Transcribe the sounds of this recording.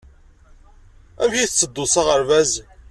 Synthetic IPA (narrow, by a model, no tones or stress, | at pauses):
æ̰mçiθət͡sːəd̪ːʊsaʁəɾvæz